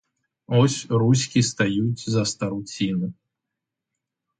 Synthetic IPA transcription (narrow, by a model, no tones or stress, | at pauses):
ɔsʲrusʲkʲist̪ajut͡sʲzɐst̪ɐɾut͡sʲinɨ